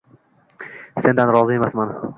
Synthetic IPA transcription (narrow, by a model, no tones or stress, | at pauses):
se̞nd̪anɾɒzɪe̞masman